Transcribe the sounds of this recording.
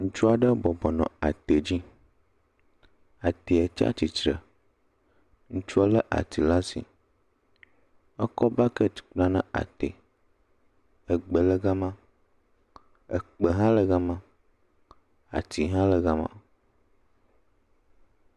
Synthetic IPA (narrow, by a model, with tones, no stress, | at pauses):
ŋũ˦t͡ʃu˦a˨ɖə˦bɔ˨bɔ˨nɔ̰̃˨a̰˨t̪e˨d͡ʑi˦ | a˨t̪i˨ɛ˨t͡ʃa̰˦t͡ɕi˨t͡ʃɾə̰˨ | ŋũ˦t͡ʃu˦a˦lə˦ʔa̰˨t̪i˨la˦sḭ˨ | ɛ˦kɔ˦ba˦kə̥˦˨k͡plã˦nã˦a̰˨t̪ḛ˨ | ɛ˨ɡ͡bə˨lə˦ɡa˦mã˦ | ɛ̰˨k͡pe˨ɦã˦lə˨ɣa˦mã˦ | a̰˨t̪i˨ɦã˦lə˨ɣa˦mã̰˦